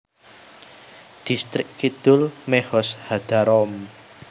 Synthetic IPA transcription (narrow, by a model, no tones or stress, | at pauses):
d̪̥ist̪ɾɪkːid̪̥ʊlmɛhɔshad̪̥aɾɔm